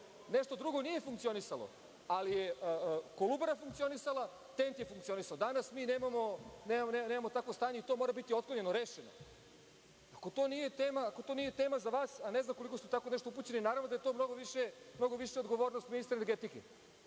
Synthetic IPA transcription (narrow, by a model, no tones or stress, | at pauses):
neʂt̪o̞d̪ɾuɡo̞nije̞fuŋkt̪ionisalo̰ | alijekolˠubaɾafuŋkt̪sio̞nisalˠa | t̪e̞nt̪je̞fuŋkt̪sio̞nisaod̪anasmineːmamo̞neːmaneneːmamot̪akʋo̞st̪aːɲeit̪o̞ːmoːɾabit̪io̞t̪kloɲe̞noɾeːʃeno̰ | ako̞t̪o̞ːnije̞t̪eːmaːko̞t̪o̞nije̞t̪eːmazaʋaːsaneznamko̞likosut̪ako̞neʃt̪oup̬ut͡ɕe̞ninaːɾavʋnod̪ajet̪o̞ːmno̞ɡoʋiʃemno̞ɡoʋiʃeod̪ɡo̞ʋoːɾnost̪minist̪ɾeneɾɡet̪ikḛ